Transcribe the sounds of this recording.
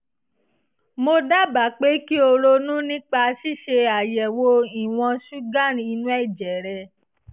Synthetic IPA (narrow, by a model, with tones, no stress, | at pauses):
mo˧da˦˨ba˨˦˨k͡pe˦ki˦o˧ɾo˧nũ˦nĩ˦k͡pa˧ʃi˦˨ʃe˧a˨jɛ˨wo˧i˨w̃ɔ̃˧ʃu˦ɡã˦˨ɾĩ˧i˧nũ˦ɛ˦˨d͡ʒɛ˨ɾɛ˧